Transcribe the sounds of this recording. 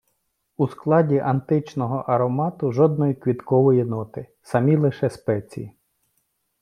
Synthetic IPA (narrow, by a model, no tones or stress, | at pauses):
usklˠɑdʲiʔɐnt̪ɪt͡ʃnɔɦɔʔɐɾɔmɑt̪ʊʒɔd̪̚nɔjikʋʲit̪kɔʋɔjinɔt̪ɪ | sɐmʲilˠɪʃɛspɛt͡sʲḭjḭ